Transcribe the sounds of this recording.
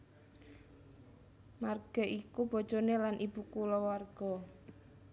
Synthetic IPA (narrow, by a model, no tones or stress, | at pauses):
marɡ̥a̤ʔikub̥ɔ̤̥d͡ʒɔnelanʔib̥ukulɔwarɡ̥ɔ